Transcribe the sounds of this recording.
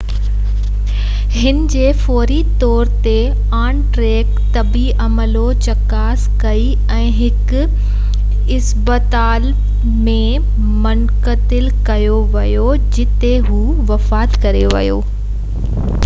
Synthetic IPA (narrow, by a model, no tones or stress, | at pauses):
ɦɪnɪd͡ʑeːfɔːɾit̪ɔːɾt̪e | aːnʈɾeːkt̪ɐbiʔɐməlot͡ɕɐkaːskɐi | ɛ̃ːɦɪk | ɪsbət̪aːl | mẽ | mʊnkət̪ɪlkɐjoʋɐjod͡ʑɪt̪eɦuːʋɐfaːt̪kɐɾeʋɐ̰jo̰ː